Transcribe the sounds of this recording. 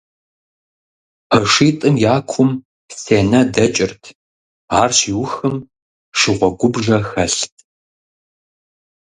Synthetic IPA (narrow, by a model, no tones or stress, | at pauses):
əʂiːtʼɨmjaːkʷʰʊm | pseːnɐdɐt͡ʃʼɪrtʰ | aːrɕiːwʊxɨm | ʂɪʁʷɔɡʷʊbʐɐxɐɬtʰ